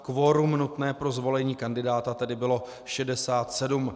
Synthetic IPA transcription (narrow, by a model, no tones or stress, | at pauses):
kvo̞ːɾumnut̪nɛːpɾo̞zvo̞lɛɲiːkandɪdaːt̪at̪ɛdɪbɪlo̞ | ʃɛdɛsaːt̪sɛdum